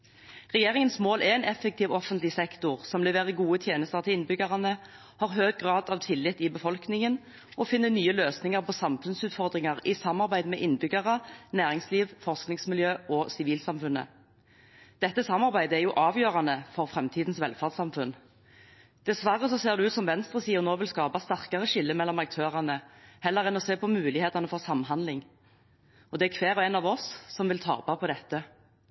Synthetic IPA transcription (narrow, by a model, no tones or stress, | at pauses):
ʁɛjeːʁɪŋənsmoːlʔɛʁɛnɛfːək̚t̪ʰiːʋɔfənt̪lɪsɛkt̪ʊʁsɔmblɛːʋæːʁəɡuːət̪ʰjeːnəst̪əʁt̪ʰɪlɪnbʏɡɑʁɑnə | hɑːʁɦøːɡ̚ɡʁɑːd̪ɑʋt̪ʰɪlːɪt̪ːɪbəfɔlknɪŋən | ɔfɪnːənyːəløːsnɪŋɑʁpʰɔsɑmfʉnsʉːt̪fɔʁd̪ʁɪŋɑʁɪsɑmːɑʁbæɪd̪mɛ̰ʔɪnbʏɡɑʁənæːʁɪŋsliːʋfɔʁsknɪŋsmɪljøːʔɔːsɪʋiːlsɑmfʉnə̰ | d̪̥ɛt̪ːəsɑmːɑʁbæɪd̪əæʁjuːʔɑːʋjøːʁɑnəfɔʁfʁɛmt̪ʰiːd̪n̩sʋɛlfɑʁd̪sɑmfʉn | d̪̥ɛsʋæʁːəsɔseːʁd̪ʉʉːt̪sɔmʋɛnst̪ʁəsiːəʁnoːʋɪlskɑːpɑst̪æʁkɑʁəʃɪlːəmɛlːɔmɑk̚t̪ʰøːʁɑnəhɛlːəʁɛnɔseːpʰɔmʉːlɪheːt̪ɑnəfɔʁsɑmːɦɑnd̪lɪŋ | ɔd̪ɛækʰʋeːʁɔɛnɑːʋɔssɔmʋɪlt̪ʰɑ̰ːpɑpʰɔd̪ɛt̪ːə